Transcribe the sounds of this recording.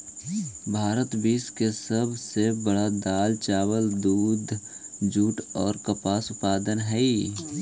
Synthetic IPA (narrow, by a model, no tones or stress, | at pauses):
bʱaːɾət̪biːskesəbʱsebəɽad̪aːlt͡ʃaːwəld̪uːd̪d͡ʒuːʈɔːɾkəpaːsʊpaːd̪ənɦɛi